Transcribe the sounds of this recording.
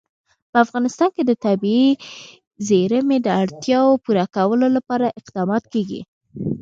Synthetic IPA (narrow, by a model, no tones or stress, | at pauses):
pəafɣɑnɪst̪ɑnked̪ət̪abie | zeɾəmed̪əaɽt̪jɑwopuɾakawəlolapɑɾaʔɪqd̪ɑmɑt̪keɡḭ